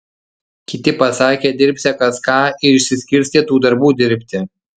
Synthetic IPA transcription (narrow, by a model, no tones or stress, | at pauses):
kʲɪt̪ʲɪpɐsɑːkʲeːd̪ʲɪɾʲpʲsʲɛkɐskɑːɪɾɪʃʲsʲɪsʲkʲɪɾʲsʲt̪ʲet̪uːd̪ɐɾbuːd̪ʲɪɾʲpʲt̪ʲɪ